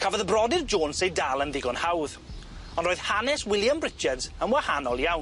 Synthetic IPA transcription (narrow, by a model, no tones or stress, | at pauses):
kʰavɔðəbrɔdɪrd͡ʒoːnsejdalˠənðɪɡɔnhawð | ɔ̃ndroːɨð̥hanɛswɪlˠjamrɪt͡ʃɛdz̥əmwɛhanɔlˠjawn